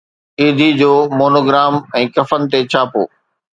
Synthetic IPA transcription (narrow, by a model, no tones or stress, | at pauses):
iːd̪ʱid͡ʑoːmoːnoːɡɾaːmɛ̃ːkɐfənɪ̆t̪et͡ɕʰaːpo̰ː